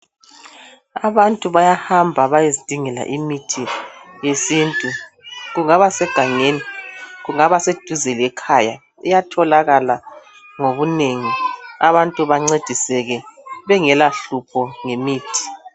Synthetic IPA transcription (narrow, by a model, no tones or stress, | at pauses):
aβantʼuβajahambʱaβajezid̥ʱiŋɛla̰ʔimitʰijesintʼu | ɣuŋaβasɛɡ̥ʱaŋeniɣuŋaβased̥ʱuzelɛkʰaja̰ | ɛjatʰɔlaɣala | ŋoβuneŋiaβantʼuβaŋ͡ǀed̥ʱisɛɣɛβɛŋɛlaɬupʰɔŋemiːtʰi̥